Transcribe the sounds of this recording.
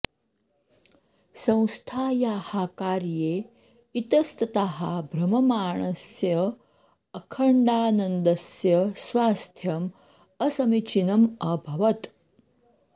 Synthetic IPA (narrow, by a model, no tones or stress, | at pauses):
sɐ̃w̃st̪ʰaːjaːhaːkaːɾjeː | it̪ɐst̪ɐt̪aɦabʱɾɐmɐmaːɳɐsjɐː | kʰɐɳɖaːnɐnd̪ɐsjɐsʋaːst̪ʰjɐm | ɐsɐmit͡ʃinɐmɐbʱɐʋɐt̪